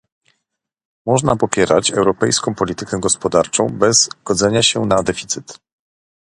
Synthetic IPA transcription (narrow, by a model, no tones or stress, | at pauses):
mɔʐnapɔpʲjɛɾat͡ɕɛwɾɔpɛjskɔ̃w̃pɔlʲit̪ɘkɛɡɔspɔd̪aɾt͡ʂɔ̃w̃bɛzɡ̥ɔd̪zɛɲaɕɛnad̪ɛfʲi̥t̪sɘt̪